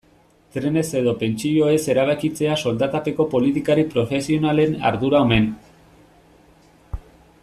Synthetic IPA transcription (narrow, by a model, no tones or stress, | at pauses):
t̪ɾe̞ne̞se̞ð̞o̞pe̞nt͡ʃiʎo̞e̞se̞ɾaβ̞akit͡se̞aso̞ld̪at̪ape̞ko̞po̞lit̪ikaɾipɾo̞fe̞sio̞nale̞na̰ɾðuɾaome̞n